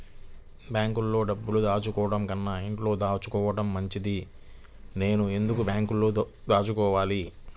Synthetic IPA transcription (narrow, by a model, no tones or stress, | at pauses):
bjaːŋkulːo̞ːɖɐbːulud̪aːt͡ʃukɔːʋɐɽɐmkɐnːaiɳʈlo̞ːd̪aːt͡ʃukɔːʋɐʈɐmːɐɲt͡ʃid̪i | ne̞ːnue̞nd̪ukubjaːŋkulːoː | d̪aːt͡ʃukɔːʋaːli